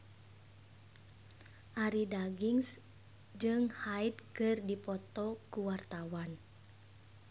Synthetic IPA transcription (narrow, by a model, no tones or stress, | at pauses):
ʔaɾidaɡiŋs | d͡ʒɨŋhaid̪̚kɨrdipɔt̪ɔkuwart̪awan